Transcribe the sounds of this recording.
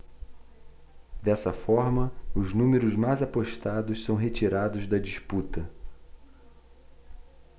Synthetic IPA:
d̪ɛsɐfɔɾmɐʊznũmeɾʊzmajzapoʃt̪ad̪ʊʃsɐ̃w̃ɦet͡ʃiɾad̪ʊzd̪ɐd͡ʒisput̪ɐ

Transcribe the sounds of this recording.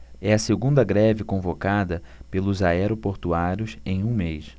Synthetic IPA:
ɛɐseɡũnd̪ɐɡɾɛvɪkõvokad̪ɐpelʊzaɛɾopoɾt̪uaɾjʊsẽj̃ũmejs

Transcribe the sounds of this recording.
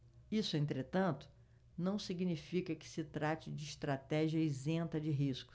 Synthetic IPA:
isʊẽnt̪ɾet̪ɐ̃nt̪ʊ̥ | nɐ̃w̃siɡnifikɐkɪ̥sɪt̪ɾat͡ʃɪd͡ʒɪːʃt̪ɾat̪ɛʒiɐizẽnt̪ɐd͡ʒɪɦiskʊ̥

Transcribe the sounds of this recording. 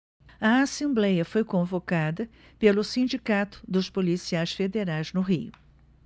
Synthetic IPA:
ɐasẽmblɛjɐfojkõvokad̪ɐ | pelʊsĩd͡ʒikat̪ʊ̥d̪ʊspolisiajsfed̪eɾajznʊɦiʊ

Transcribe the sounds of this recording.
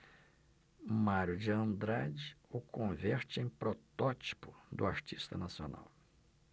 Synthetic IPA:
maɾjʊd͡ʒɪɐ̃nd̪ɾad͡ʒɪʊkõvɛɾt͡ʃɪẽj̃pɾot̪ɔt͡ʃi̥pʊd̪ʊaɾt͡ʃist̪ɐnasio̰na̰w

